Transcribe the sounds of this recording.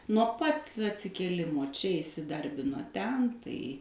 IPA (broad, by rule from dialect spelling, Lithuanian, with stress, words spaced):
nuɔ ˈpɐt ɐtʲsʲɪkʲeːˈlʲɪmoː ˈt͡ʃʲɛ ɪsʲɪˈdɐrʲbʲɪnoː ˈtʲɛn tɐɪ